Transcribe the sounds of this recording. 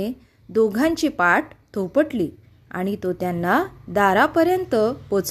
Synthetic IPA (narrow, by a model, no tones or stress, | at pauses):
e | d̪oɡʱãɲt͡ɕipaʈt̪ʰopəʈli | a̰ɽ̃it̪ot̪janːad̪aɾapəɾjənt̪əpot͡s